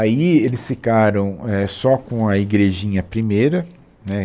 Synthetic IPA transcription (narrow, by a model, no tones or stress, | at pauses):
aielɪsfikaɾɐ̃w̃ɛsɔkõɐiɡɾeʒĩɲɐpɾimejɾɐ | nɛ